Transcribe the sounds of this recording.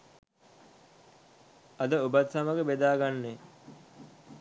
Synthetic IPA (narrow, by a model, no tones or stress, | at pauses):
ɐd̪əubat̪saməɡəbed̪aːɡanːe